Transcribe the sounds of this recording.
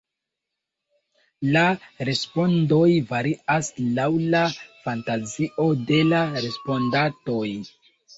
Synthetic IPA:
laɾe̞spo̞ndo̞jvaɾiaslawlafantaziʔo̞de̞laɾe̞spo̞ndato̞j

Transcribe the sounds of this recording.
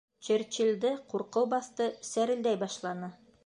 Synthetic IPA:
t͡ʃɘ̆ɾt͡ɕild̪ɘquɾqɤwbɑθt̪ɤsæɾɘ̆ld̪æjbɑʃlˠɑnɤ

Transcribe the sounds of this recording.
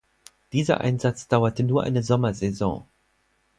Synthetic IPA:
d̥iːzɐ̰ʔa̰ɪnzat͡sd̥aʊɐtənuːɐʔa̰ɪnəzɔmɐzɛzɔ̰̃ː

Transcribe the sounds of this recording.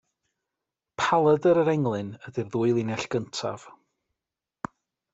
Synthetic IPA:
pʰalˠədəɾəɾɛŋlˠɨnədirðuːɨlˠinɛɬɡ̥əntʰa̰v̥

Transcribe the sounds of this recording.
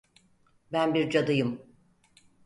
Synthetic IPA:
bænbiɾd͡ʒad̪ɯjɯm

